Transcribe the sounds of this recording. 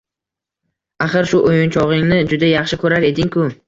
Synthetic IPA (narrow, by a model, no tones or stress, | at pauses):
aχɨɾʃʊʔojʊnt͡ʃʰɒʁɪŋnɪd͡ʒʊd̪ajaχʃɪkʰɵɾaɾe̞d̪ɪŋkʰʊ